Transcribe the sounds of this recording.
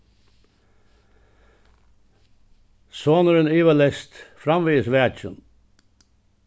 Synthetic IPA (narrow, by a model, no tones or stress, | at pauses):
soːnəɾəniːʋəlɛst̪fɾɑmʋiːəsʋæːt͡ʃən